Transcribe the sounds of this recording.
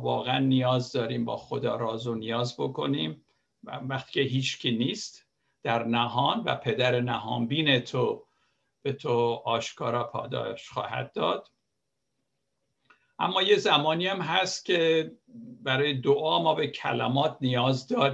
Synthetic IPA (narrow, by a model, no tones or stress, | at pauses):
vɒ̰ːɣeænːijɒːzd̪ɒːɾiːmbɒ̰ːxo̞d̪ɒːɾɒːzonijɒːzbo̞kʰo̞niːm | væχt̪i̥ːceɦiːt͡ʃcʰiniːst̪ | d̪̥æɾnæɦɒːnvæ̰pʰe̞d̪æɾenæɦɒːmbiːnet̪ʰo | b̥e̞t̪ʰoɒːʃkʰɒːɾɒːpʰɒ̰ːd̪ɒ̰ːʃχɒ̰ːhæ̰d̪̚ːɒːd̪̥ | ʔæ̰mːɒːje̞zæmɒːniæmɦæst̪cʲʰe̞ | bæɾɒːjed̪oʔɒːmɒːbe̞cʰæ̰læ̰mɒːt̪ʰnijɒːzd̪ɒːɾ